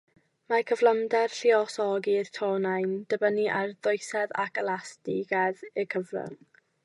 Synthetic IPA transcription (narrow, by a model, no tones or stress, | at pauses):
makʰəvlˠəmdɛrɬiɔsɔɡirtʰonajnd̥əbəniʔarðʊjsɛða̰ɡəlˠastiɡɛðəkʰəvrə̰ŋ